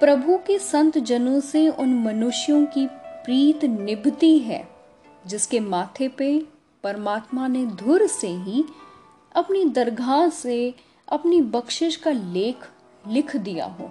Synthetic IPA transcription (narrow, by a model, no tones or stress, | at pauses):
pɾɐbʱukesɐ̃nt̪d͡ʒɐnõseʊnmɐnʊʃjõkipɾiːt̪nɪbt̪iɦɛ̰ː | d͡ʒɪskemaːt̪ʰepe | pɐɾmaːt̪maned̪ʱʊɾseɦi | ɐpnid̪ɐɾɡʱaːse | ɐpnibɐkʃɪʃkaleːkʰ | lɪkʰd̪ija̰ɦo̰ː